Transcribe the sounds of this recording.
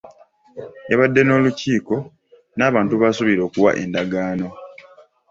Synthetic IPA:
eβadːe̞no̞ːluciːko̞ | naːβaːntuβasuβiɾo̞ːkuwa̰ʔe̞̰ndaɡaːno̞

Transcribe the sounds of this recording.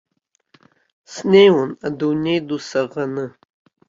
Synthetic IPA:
snejwʊnadunejdusɐʁɐnɨ

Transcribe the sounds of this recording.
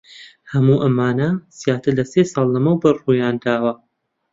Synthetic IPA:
hɐmuːʔɐmaːnɐz̥ijaːt̪ɨlɐseːsɑːlˠːɐmɐwbɐruːjaːnd̪aːwɐ

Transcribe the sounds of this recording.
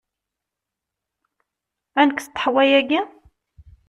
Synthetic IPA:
ænəkθt̪ːə̥ħwæjæɡæ

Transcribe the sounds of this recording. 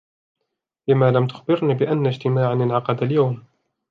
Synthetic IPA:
bɪmaːlamt̪ʊ̥xbɪɾniːbɪʔanːad͡ʒt̪ɪmaːʕanɪnʕɑqɑd̪aljawm

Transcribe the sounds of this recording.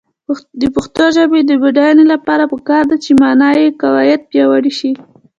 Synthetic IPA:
d̪əpəxt̪oʒabed̪əbaɖɑjanolapɑɾapəkɑɾd̪at͡ʃemɑnɑjekawajat̪̚pjɑwaɽiʃi

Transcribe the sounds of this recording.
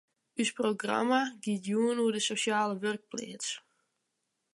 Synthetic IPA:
ysproɡra̰maɡitjuənuədəsosjaːləʋørk̚plɪ̰ːts

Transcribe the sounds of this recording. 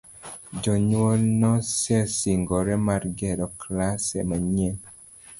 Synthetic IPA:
d͡ʒɔɲwolnɔsɛsiŋɡɔɾɛmarɡɛɾɔklasɛmaɲen

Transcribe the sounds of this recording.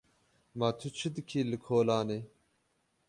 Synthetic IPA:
maːt̪ʰut͡ʃʰɨd̪ɨkʰiːlɨkʰoːlɑːneː

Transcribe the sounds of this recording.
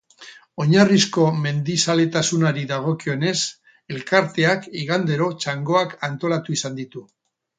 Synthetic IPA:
o̞ɲarisko̞me̞nd̪isale̞t̪asunaɾiðaɣ̞o̞kio̞ne̞s | e̞lkaɾt̪e̞akiɣand̪e̞ɾo̞t͡ʃaŋɡo̞akant̪o̞lat̪uisand̪it̪u

